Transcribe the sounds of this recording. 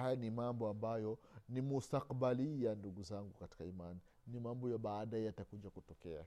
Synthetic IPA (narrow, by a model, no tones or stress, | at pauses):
hajanimambɔambajɔnimustaqɓalijanduɡuzaŋɡukati̥kaimaniː | imambɔjaɓaːɗajɛjatakuʄakutɔkɛa̰